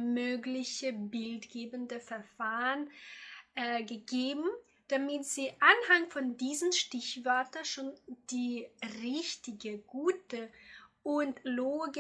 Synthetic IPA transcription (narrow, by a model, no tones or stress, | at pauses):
møːɡlɪçəbɪltɡ̥eːbəndəfɛɐfaːʁənʔɛɡəɡeːbm̩ | d̥amɪtz̥iːʔanhaŋfɔndiːzənʃtɪçvœɐtɐʃoːnd̥iːʁɪçtɪɡəɡ̥uːtəʔʊntloːɡ